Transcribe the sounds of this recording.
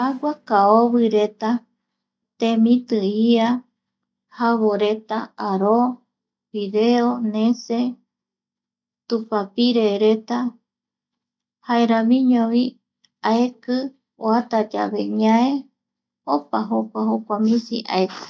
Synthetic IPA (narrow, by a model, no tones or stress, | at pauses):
aɡʷakaoβɨɾe̞t̪a | t̪ẽmĩt̪ɨia | haβoɾet̪a̰aɾo | βiðeonẽse | t̪upapiɾeɾe̞t̪a | haeɾãmĩɲõβi | aekɨ | oat̪ad͡ʒa̰βeɲãe | opaɦokʷaɦokʷamĩsḭʔa̰ekɨ̥